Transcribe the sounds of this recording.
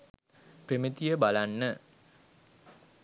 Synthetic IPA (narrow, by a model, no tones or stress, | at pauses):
premit̪ijəbalanːə